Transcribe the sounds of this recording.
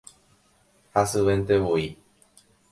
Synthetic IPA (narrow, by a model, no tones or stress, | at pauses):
hasɨβẽnt̪eβoi